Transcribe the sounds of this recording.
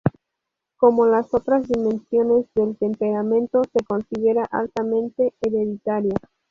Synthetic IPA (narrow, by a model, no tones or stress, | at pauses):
ko̞mo̞laso̞t̪ɾazðimẽ̞nsjo̞ne̞zðe̞lt̪e̞mpe̞ɾamẽ̞nt̪o̞se̞ko̞nsiðe̞ɾaʔalt̪amẽ̞nt̪e̞ːɾeðit̪aɾja